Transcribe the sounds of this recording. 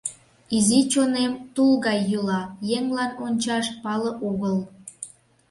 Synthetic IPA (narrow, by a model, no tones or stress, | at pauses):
izit͡ɕonemt̪ulɣɑjːulɑjeŋlɑnonʲt͡ɕɑʃpɑləʔoɣəl